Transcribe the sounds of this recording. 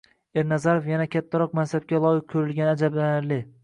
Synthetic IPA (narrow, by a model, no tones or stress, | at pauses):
e̞ɾnazaɾofjanakʲʰat̪ʰːaɾɒqmansab̚kʲalˠɒjɪq̚kʰɵɾɪlɡʲanad͡ʒablanɪɾlɪ